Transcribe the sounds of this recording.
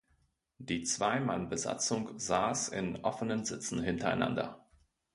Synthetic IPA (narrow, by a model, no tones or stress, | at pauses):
d̥iːt͡sv̥aɪmanbəza̰t͡sʊŋzaːsɪ̰nʔɔfənənzɪt͡sn̩ɦɪntɐa̰ɪna̰ndɐ̰